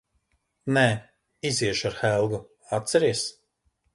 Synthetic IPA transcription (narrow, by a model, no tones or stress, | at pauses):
nɛː | iziɛʃaɾxɛlˠɡu | at̪sɛɾiɛs